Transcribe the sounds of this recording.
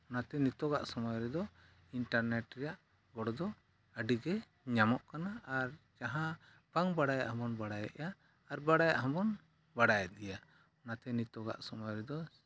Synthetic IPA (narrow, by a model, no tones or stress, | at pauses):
ɔnat̪ɛnit̪ɔɡa̰ʔsɔmɔjɔɾɛd̪ɔ | iɳʈaɾnɛʈɾɛjaʔ | ɡɔɽɔd̪ɔ | əɖiɡɛ | ɲamɔʔkanaːɾ | d͡ʒaɦã | paŋbaɽajaʔhɔ̃mbɔnbaɽajɛ̰ʔjaː | ɾbaɽaja̰ʔɦɔ̃bɔn | baɽajɛdɛja | ɔnat̪ɛnit̪ɔɡa̰ʔsɔmɔjɔɾɛd̪ɔ